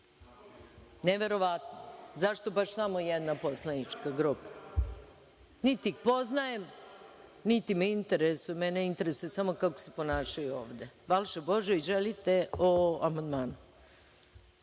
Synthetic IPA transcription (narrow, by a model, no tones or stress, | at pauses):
neʋe̞ɾo̞ʋat̪nozaʃt̪o̞baʃsamo̞jed̪napo̞slanit͡ʃkaɡɾupḁ | nit̪iikpo̞znajem | nit̪imeint̪eɾesumeneint̪eɾesoesamo̞kako̥sepo̞naːʃajuo̰ːʋd̪eʋalʃebo̞ʒeiʒelit̪e̞oamand̪maːnu